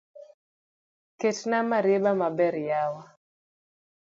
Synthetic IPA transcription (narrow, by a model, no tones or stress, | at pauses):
ketnamaɾebamabɛɾjawa